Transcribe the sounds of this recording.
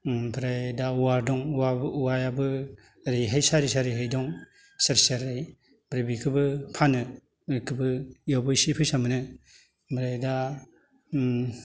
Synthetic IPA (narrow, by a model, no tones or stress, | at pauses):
bʰɯɾajdauwaɾdɔŋauwajabɯ | ɾijɦajsaɾisaɾijɦajdɔŋ | saɾsaɾaj | b̥ɾabikʰɯbɯpʰanɯ | kʰɯbɯjabɔjsipʰɯjsamɯnɯ | bɾajda